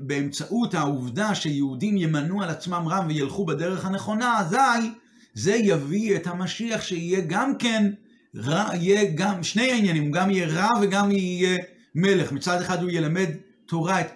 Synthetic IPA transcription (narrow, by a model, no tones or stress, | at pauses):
beːmt͡saʔuthauvdaʃejeudimjemanualat͡smamʁamvejelχubede̞ʁ̞e̞χhane̞χo̞nazaj | ze̞javiethamaʃiaχʃeijeɡamke̞n | ʁaijeɡamʃnejainjanimuɡamijeʁaveɡamiːje | me̞leχmit͡sadeχadujelame̞d | to̞ʁaet